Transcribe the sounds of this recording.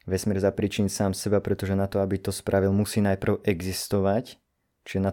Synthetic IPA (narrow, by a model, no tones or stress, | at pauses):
ʋɛsmɪɛɾzapɾiːt͡ʃinsaːmsɛbapɾɛt̪ɔʒɛnat̪ɔabit̪ɔspɾʔaʋilˠmusiːnajpr̩ʊɛɡzist̪ɔʋac | t͡ʃiʒɛna